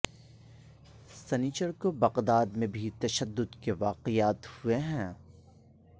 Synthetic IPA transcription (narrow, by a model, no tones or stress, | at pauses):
sɛnɪt͡ʃəɾkobɐqd̪aːd̪mẽbʱit̪ɐʃəd̪ːʊd̪keʋaːqɪjaːt̪hʊeɦɛ̃ː